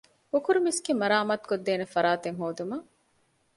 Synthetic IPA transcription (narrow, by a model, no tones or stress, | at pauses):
ukuɾumisɡemɐɾaːmɐt̪kod̪ːeːnefɐɾaːt̪eŋɦoːd̪umɐ